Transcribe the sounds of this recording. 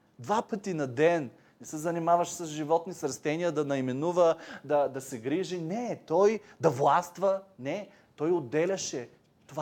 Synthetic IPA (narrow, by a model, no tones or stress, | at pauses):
d̪vapɤt̪inɐd̪ɛn | nɛsəzɐnimavɐʃsɐzʒivɔt̪nisɾst̪ɛnijəd̪ɐnɐimɛnuvəd̪ɐd̪ɐsɛɡɾiʒinɛt̪ɔjd̪ɐvlˠast̪vɐnɛ | t̪ɔjod̪ːɛlʲɐʃɛ | t̪ova